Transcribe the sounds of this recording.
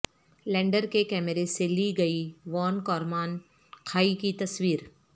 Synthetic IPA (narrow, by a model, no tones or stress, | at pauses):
lɛ̃ːɳɖəɾkekɛːməɾeseliːɡɐiʋɔːnkɔːɾmaːn | kʰaːikit̪ɐswiːɾ